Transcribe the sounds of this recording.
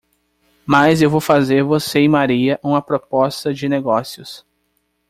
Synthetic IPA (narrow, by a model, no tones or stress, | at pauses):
majzewvowfazeɾvoseɪ̃maɾiɐʔũmɐpɾopɔst̪ɐd͡ʒɪneɡɔsjʊs